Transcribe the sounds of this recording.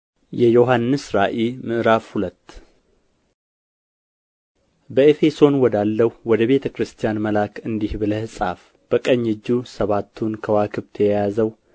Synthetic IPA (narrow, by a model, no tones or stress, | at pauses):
jɛjo̞ɦanːɨsɾaʔimɨʔɨɾafhulət̪ː | bəefe̞so̞nwɔd̪alːəhuwɔd̪əβe̞t̪ʰəkɾɨst̪ʰijanməlakɨnd̪ihbɨləhɨsʼaf | b̥əkʼəɲːɨd͡ʒːusəβat̪ʰːunkʰəwakʰɨβt̪ʰəjɛjazəw